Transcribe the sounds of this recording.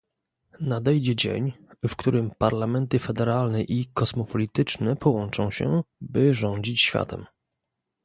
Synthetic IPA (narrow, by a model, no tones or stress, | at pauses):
nad̪ɛjd͡ʑɛd͡ʑḛɲfkt̪uɾɘmpaɾlamɛnt̪ɘfɛd̪ɛɾalnɛʔikɔsmɔpɔlʲit̪ɘt͡ʂnɛpɔwɔnt͡ʂɔ̃w̃ɕɛ̰bɘʐɔɲd͡ʑit͡ɕɕfʲja̰t̪ʰɛ̰m